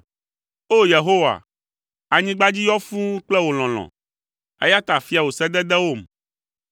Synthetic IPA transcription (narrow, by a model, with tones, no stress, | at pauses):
o˦je˨ɦo˦wa̰˨ | a˨ɲĩ˦ɡ͡ba˦d͡ʑi˦jɔ˦fũ˦k͡plɛ˦wo˨l̃ɔ̃˨l̃ɔ̰̃˨ | ḛ˦ja˦t̪a˨fi˦a˨wo˨sɛ˦d̪ɛ˦d̪ɛ˦wo˦˨m